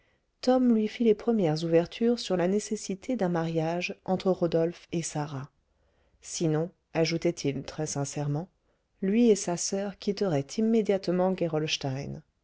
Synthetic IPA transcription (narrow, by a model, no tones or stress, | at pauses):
t̪ɔmlɥifilepχəmjɛʁzuvɛʁt̪ʰyʁsyʁlanesesit̪ʰed̪ɛ̃maʁjaʒɑ̃t̪χəʁod̪ɔlfesaʁa | sinɔ̃ | aʒut̪ɛt̪ʰilt̪χɛsɛ̃sɛʁmɑ̃ | lɥiesasœʁkʲit̪əʁɛt̪ʰimːed̪jat̪mɑ̃ɡʲeʁɔlʃt̪ajn